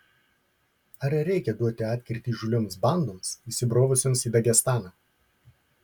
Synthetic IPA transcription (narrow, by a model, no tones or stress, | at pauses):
ɐɾʲɛɾʲɛɪkʲɛd̪uɔt̪ʲɪɑːt̪ʲkʲɪɾʲt̪ʲiːʒʊlʲomsbɐˑnd̪oːmsisʲɪbɾoːʋʊsʲoːmsiːd̪ɐɡʲɛst̪ɑːnɑː